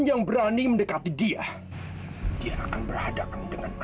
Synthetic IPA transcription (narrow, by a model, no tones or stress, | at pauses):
njaŋbəɾaniməndəkat̪idia | d̥iaʔːkanbərhhadakandəŋan